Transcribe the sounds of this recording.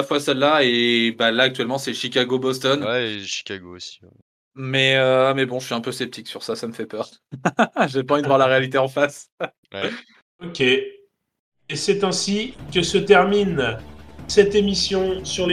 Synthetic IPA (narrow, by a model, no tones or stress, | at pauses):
afwasɛlːaebalaːk̚t̪ɥɛlmɑ̃sɛʃikʲaɡobɔst̪ɔnwɛʃi̥kʲaɡoosi̥ɛ | mɛømɛbɔ̃ʒəsɥiɛ̃pøsɛp̚t̪ʰiksyʁsasaməfɛpœʁ | ʒepaɑ̃vid̪əvwaʁlaʁealit̪eɑ̃fas | wɛ | okʲe | sɛt̪ɛ̃sikəsət̪ɛʁmin | sɛt̪emisjɔ̃syʁle